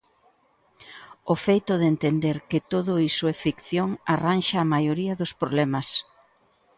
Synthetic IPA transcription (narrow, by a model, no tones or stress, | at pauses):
ofejt̪ʊðent̪end̪eɾkɪt̪oðʊisʊefikθjoŋaranʃɐːmajoɾiɐðʊspɾoβlɛmɐs